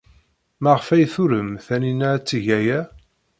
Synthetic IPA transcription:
mæʁəfæjθuɾəmθæninæt͡sːiʝæjæ

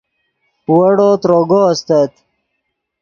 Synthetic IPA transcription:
wɐɽot̪ɾoɡost̪ɐt̪

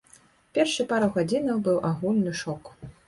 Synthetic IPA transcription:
pʲɛrʂɨpaɾɐɣad͡zʲinɐwbɨwʔaɣulʲnɨʂɔk

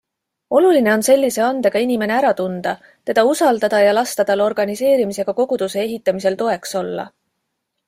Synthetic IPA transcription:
o̞luline̞o̞nse̞lʲːise̞ɑnd̪e̞ɡ̥ɑinime̞ne̞æɾɑt̪und̪̥ɑ | t̪e̞d̪̥ɑusɑld̪ɑd̪̥ɑjɑlɑst̪ɑd̪̥ɑlo̞rɡ̥ɑnise̞ːɾimise̞ɡ̥ɑko̞ɡ̥ud̪̥use̞eɦit̪ːˑɑmise̞lt̪o̞e̞kso̞lːɑ̰

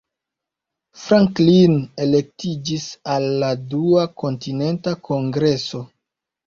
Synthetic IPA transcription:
fɾaŋklinele̞k̚tid͡ʒisalːaduako̞ntine̞ntakʰo̞ŋɡɾe̞so̞

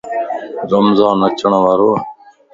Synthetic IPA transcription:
ɾəmzãːnət͡ʃəɳʋaːɾoː

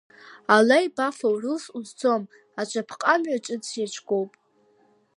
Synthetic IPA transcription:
alajbafawrusuzd͡zo̞m | at͡ʃʷʼapʰqʼamɥat͡ʃʼɨt͡sʰjat͡ʃʷʰɡʼo̞wpʼ

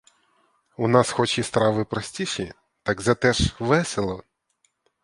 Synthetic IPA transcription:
unɑsxɔt͡ʃist̪ɾɑʋɪpɾɔsʲtʲiʃi | t̪ɑɡzɐt̪ɛʃʋɛselˠɔ

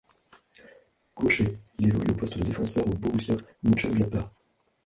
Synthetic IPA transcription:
koʃeilevɔly̰opɔst̪d̪əd̪efɑ̃sœʁoboʁusjamɔ̃t͡ʃɛlapa

